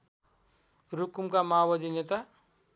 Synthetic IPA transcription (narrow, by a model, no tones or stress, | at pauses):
ɾukumkamaːwʌd̪inet̪a